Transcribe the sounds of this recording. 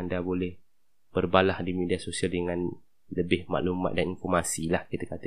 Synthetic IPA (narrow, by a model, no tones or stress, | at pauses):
andabolɛh | b̥ərbalahdimidiasosialdəŋãn | ləbɪhma̰ʔlumã̰t̪̚daninfɔrmasilahkit̪akat̪ə